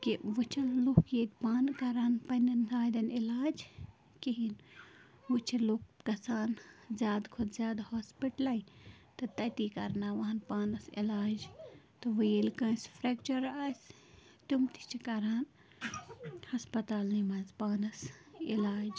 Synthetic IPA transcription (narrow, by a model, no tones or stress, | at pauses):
kiʋɨt͡ʃʰɐllukjet̪ʲpaːnkɐɾaːnpɐnɐnaːd̪ɐnilaːd͡ʒ | kiɦin | ʋɨt͡ʃʰɐluk̚kɐsaːnzʲjaːd̪kʰud̪zʲjaːd̪hospiʈlɐjt̪ɨt̪ɐt̪ikɐ̰ɾnaʋɐɦɐnpaːnɐsḭlaːd͡ʒ | t̪ɨʋɨjelkɐ̃ːspʰɾek̚t͡ʃɐɾas | t̪umt̪i̥t͡ʃʰikɐɾaːn | hɐspɐt̪aːlnimɐzpaːnɐsilaːd͡ʒ